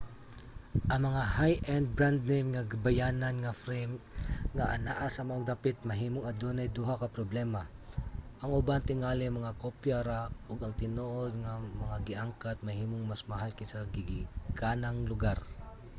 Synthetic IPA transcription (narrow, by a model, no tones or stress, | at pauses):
ʔɐŋmɐŋahajʔɛnd̪̚bɹand̪̚nejmŋɐɡabɐjaːnɐnŋɐfɾɛjmŋɐʔɐna̰ʔasɐmɐʔoɡ̚d̪apɪt̪̚mɐɦiːmoŋɐd̪onɐjd̪uɦakɐpɾoblɛma | ʔɐŋʔʊbant̪ɪŋaːlɪmɐŋakopjaɾaʔoɡɐŋt̪ɪnoʔod̪̚ŋamɐŋaɡɪʔaŋkat̪̚mɐhiːmoŋmasmɐɦalkajsɐɡɪɡɪkaːnɐŋlʊɡaɾ